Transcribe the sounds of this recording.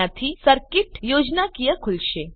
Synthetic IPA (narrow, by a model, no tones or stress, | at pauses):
at̪ʰisəɾkiʈjod͡ʒnakijəkʰulʃe